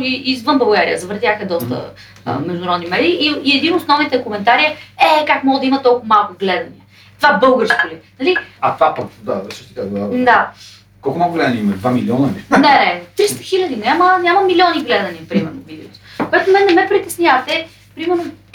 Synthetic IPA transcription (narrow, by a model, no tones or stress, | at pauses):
iʔizvɤnbɐlˠɡaɾḭə̰zɐvɾt̪ʲjaxəd̪ɔst̪ə̰ | mɛʒd̪unɐɾɔd̪nimɛɾiʔːiɛd̪inosnɔvnit̪ɛkomɛnt̪aɾiəɛkakmɔɡəd̪ɐimɐt̪ɔlˠkʊmalˠkʊɡlɛd̪ɐniɛ | t̪vabɤlˠɡəɾskolinɐliɐt̪vapɐkd̪asət̪i̥kazad̪a | kɔlˠkʊmnakʊɡlɛd̪ɐnʲiimɐd̪vamilʲiɔnəlinɛɛt̪ɾist̪əxilʲəd̪inʲamənʲamɐmilʲɔniɡlɛd̪ɐniəpɾimɛɾnovid̪ɛot̪o̥koɛt̪ʊmɛnːɛmɛpɾit̪ɛsnʲjavɐt̪ɛ | pɾimɛɾno